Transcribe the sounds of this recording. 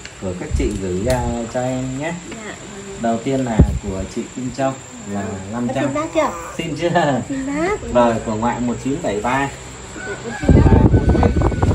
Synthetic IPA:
ku˧˩əkaː˦˥k̚t͡ɕḭ˧˨ɣɨ˧˩jt͡ɕɔ˧ʔɛ˧mɲɛ˦˥ | ɗə˨˩wt̪i˧ənlaː˨˩ku˧˩ət͡ɕḭ˧˨t͡ɕi˧mt͡ɕə˧wŋ͡m | laː˨˩na˧mt͡ɕaː˧˦˥si˧nt͡ɕɨ˦ | zo˨˩jku˧˩əŋwa̰ː˧˨jmo˨˩t̚t͡ɕi˨˦ənɓa˧˩jɓaː˧

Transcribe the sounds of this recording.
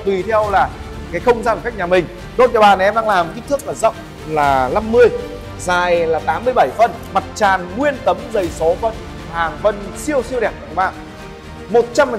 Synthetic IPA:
t̪wi˨˩t̪ʰɛ˧wlaː˨˩ | kaː˨˦jxə˧wŋ͡mzaː˧nə˨˩ka˦˥k̚ɲaː˨˩mï˨˩ŋ̟ | ɗo˦˥t̚t͡ɕɔ˧˩ɓaː˧˩n˨˩ʔɛ˧mɗaː˧laː˨˩m˩k̪i˦˥t̪ʰɨ˦˥ək̚laː˨˩zə̰˧˨wŋ͡m | laː˨˩la˧mːɨ˧əj | zaː˨˩jlaː˨˩t̪aː˨˦mːɨ˧əjɓa˧˩jfə˨˧˩n | ma˨˩t̚t͡ɕaː˨˩nŋwi˧ənt̪ə˨˦mzə˨˩jso˨˦və˨˦n | haː˨˩ŋvə˧nsi˧əwsi˧əwɗɛ˧˩k̚ka̰˧˩˨ŋɓa̰ː˧˩ | mo˨˩t̚t͡ɕa˧mː˨˩˨

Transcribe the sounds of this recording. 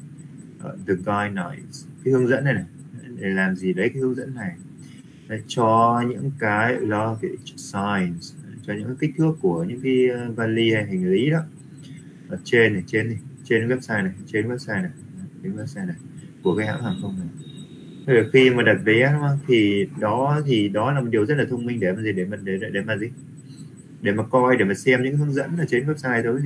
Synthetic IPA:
ʔəː˧˨˩ðə˨˩ɡa˧jna̰˨˧˨jns | kaː˨˦hɨ˧əŋzə̰˧˥nːa˨˩jna˨˩jɗe˨˩laː˨˩mzi˨˩ɗə˨˦jkaː˨˦hɨ˧əŋzə̰˧˥nːa˨˩j | a˨˧˦t͡ɕɔ˧ɲɨ̰˧˥ŋkaː˨˦jlɔ˧ke˨˦sa˧jnst͡ɕɔ˧ɲɨ̰˧˥ŋka˨˧˦t̪i˦˥k̚t̪ʰɨ˦˥əkːu˧˩əɲɨ̰˧˥ŋka˨˦jvaː˧nli˧ha˧jɦa˨˩ŋ̟lḭ˧˥ɗɔ˨˦ | ʔəː˧˩t͡ɕe˧na˨˩t͡ɕe˧nʰi˨˩t͡ɕe˧nwɛ˦˥p̚saː˧jna˨˩jt͡ɕe˧nwɛ˦˥p̚saː˧jna˨˩jt͡ɕe˧nwɛ˦˥p̚saː˧jna˨˩jku˧˩əkaː˨˦jha̰ː˧˥haː˨˩nxə˧wŋ͡mna˨˩j | t̪ʰə˨˩xi˧maː˨˩ɗa˨˩p̚vɛ˨˦ɗɔ˨˦ŋ͡mʔaː˨˦t̪ʰi˨˩ɗɔ˨˦t̪ʰi˨˩ɗɔ˨˦laː˨˩mo˨˩t̚ɗi˨˩əzə˦˥t̚laː˨t̪ʰə˧wŋ͡mmï˧ŋɗe˧˩maː˨˩zi˨˩ɗe˧˩maː˨˩ɗe˧˩˧ɗe˧˩maː˨˩zi˨˩ | ɗe˧˩maː˨˩kɔ˧jɗe˧˩maː˨˩sɛ˧mɲɨ̰˧˥ŋka˨˦tʰə˧ŋzə̰˧˥nə˥laː˨t͡ɕe˧nwɛ˦˥p̚saː˧jt̪ʰəː˨˦

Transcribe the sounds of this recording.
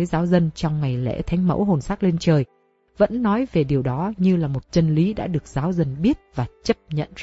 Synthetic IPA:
əː˨˦jzaː˨˦wzə˧nt͡ɕɔ˧wŋ͡mŋa˨˩jlɛ̰˧˥t̪ʰa˨˦ŋ̟mə̰˧˥wɦo˨˩nsaː˦˥k̚le˧nt͡ɕəː˨˩j | və̰˧˥nːɔ˨˦jve˨˩ɗi˨˩əwɗɔ˨˦ɲɨ˧laː˨˩mo˨˩t̚t͡ɕə˧nli˨˦ɗa̰ː˧˥ɗɨ˨˩ək̚zaː˨˦wzə˧nɓi˦˥ət̚vaː˨˩t͡ɕə˦˥p̚ɲə̰˧˨nza˧

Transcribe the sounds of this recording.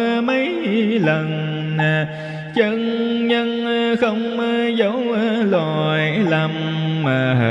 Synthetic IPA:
mə˨˦jlə˨˩n | a˨˩ | t͡ɕə˧nɲə˧nxə˧wŋ͡mzə˨˦wla˧˨˩jla˧˩mmaː˨˩˧

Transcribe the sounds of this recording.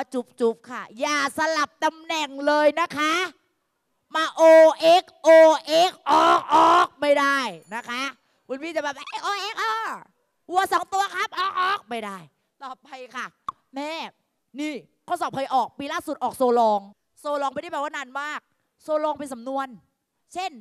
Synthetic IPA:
waː˦˧˩t͡ɕu˦˥p̚t͡ɕu˦˥p̚kʰa˧˥˩jaː˨˩sa˧la˨˩p̚t̪a˧mnɛ˨˩ŋlɤː˧jna˦˥kʰa˦˥ | maː˧ʔoː˧ʔe˦˥k̚ʔoː˧ʔe˦˥k̚ʔɔː˧˩k̚ʔɔː˨˩k̚ma˥˩jdaː˥˩jna˦˥kʰa˦˥ | ku˧nmiː˥˩t͡ɕa˨˩bɛː˨˩p̚a˧ʔe˧˩ʔoː˧ʔeː˦˥k̚ʔɔː˧˩ | ʔu˧˩a˧sa˨˩˦ŋt̪u˧ɐkʰa˦˥p̚ʔɔː˧˩k̚ʔɔː˧˥˩k̚ma˥˩jdaː˥˩j | t̪ɔː˨˩p̚ʰa˧jkʰa˥˩ | mɛː˧˥˩ | niː˧˥˩ | kʰɔː˧˥˩sɔː˨˩pʰa˧jʔɔː˨˩k̚piː˧laː˥˩su˨˩t̪̚ʔɔː˨˩k̚soː˧lɔː˧ŋ | soː˧lɔː˧ŋpa˧nda˥˩bːwaː˥˧naː˧nmaː˥˩k̚ | soː˧lɔː˧ŋpe˧nsa˨˦mnu˧ən | t͡ɕʰe˥˩n

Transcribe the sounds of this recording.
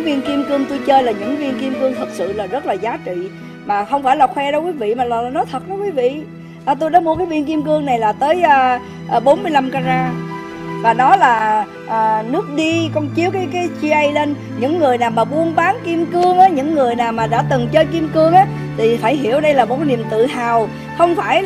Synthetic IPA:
vi˧ənki˧əmkɨ˧əŋt̪u˧jt͡ɕəː˧jlaː˨˩ɲɨ̰˧˥ŋvi˧ənki˧mkɨ˧əŋt̪ʰə˨˩t̚sɨ̰˧˨laː˨˩zə˦˥t̚laː˨˩zaː˨˦t͡ɕḭ˧˨ | maː˨˩xə˧wŋ͡mfaː˧˩jlaː˨˩xwɛ˧ɗə˧wkwi˨˦vḭ˧˨maː˨˩lːnɔ˨˦t̪ʰə˨˩t̚ɗɔ˨˦kwi˨˦vḭ˧˨ | ʔːt̪u˧jɗaː˨˦mu˧kaː˨˦vi˧ənk̬i˧mkɨ˧əŋna˨˩jlaː˨˩t̪əː˨˦jəː˧ | ʔəː˨˩ɓo˨˦nmɨ˧əjla˧mkaː˧zaː˧ | vaː˨˩nɔ˨˦laː˨˩ | ʔːnɨ˦˥ək̚ɗi˧kɔ˧nt͡ɕi˨˦əwkaː˨˦jkaː˨˦jt͡ɕi˧ʔə˧jle˧n | ɲɨ̰˧˥ŋːɨ˨˩əjnaː˨˩wmaː˨˩ɓu˧ənɓaː˨˦nki˧əmkɨ˧əŋʔaː˨˦ɲɨ̰˧˥ŋːɨ˨˩əjnaː˨˩wmaː˨˩ɗa̰ː˧˥t̪ɨ˨˩ŋt͡ɕəː˧jki˧mkɨ˧əŋʔaː˨˦ | t̪ʰi˨˩faː˧˩jɦi˧˩əwɗə˧jlaː˨˩mo˨˩t̚kːa˨˦ni˨˩əmt̪ɨ̰˧˨ɦaː˨˩w | xə˧wŋ͡mfaː˧˩j

